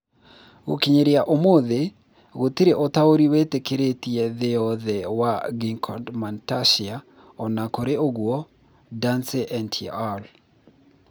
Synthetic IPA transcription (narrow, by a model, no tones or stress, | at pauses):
wo̰kiɲeɾjaʔomoðe | ɣot̪iɾeʔot̪aoɾiwet̪ekeɾet̪jɛðeɔðɛwaɡiŋkʰɔndmantaʃia | ɔnakoɾeoɡwɔ | danseʔɛntʰial